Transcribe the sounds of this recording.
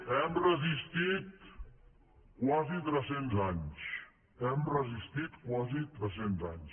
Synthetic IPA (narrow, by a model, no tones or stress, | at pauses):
ɛmrəzist̪it̪̚ | kwazit̪ɾɛsenzaɲs | ɛmrəzist̪it̪kwazit̪ɾɛsenzaɲs